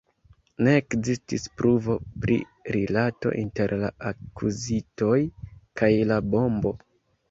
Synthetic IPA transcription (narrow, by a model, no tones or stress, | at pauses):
ne̞ːkzistispɾuvo̞pɾḭ | ɾilato̞̰ʔinte̞ɾla̰akʰuzito̞jkʰajlabo̞mbo̞